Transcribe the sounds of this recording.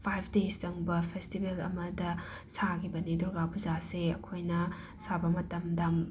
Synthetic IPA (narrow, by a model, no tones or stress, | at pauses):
pʰajpʰdestɐŋbɐpʰestibelɐ̰mɐdɐ | sakʰibɐniduɾɡapʰuzaseɐ̰kʰojnɐ | sabɐmɐtɐmdɐm